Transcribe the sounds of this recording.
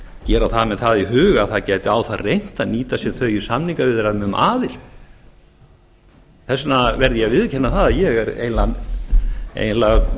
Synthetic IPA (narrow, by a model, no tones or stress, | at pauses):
cɛːɾaθaðmɛðθaðiɦʏːɣaθaðcajt̪ɪaːwθaðrejn̥t̪aniːt̪asjɛmθœːɥjʏsamnĩŋkavɪðɛɾaðmɛʏmʔa̰ːðɪl̥ | θɛsnavɛɾðjavɪðcʰɛnːaθaðjɛɣɛɾḛjnlan | ḛjnlaɣ